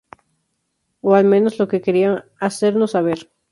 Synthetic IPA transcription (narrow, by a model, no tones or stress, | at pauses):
oalmẽnoslokekeɾiaŋaseɾnosaβ̞eɾ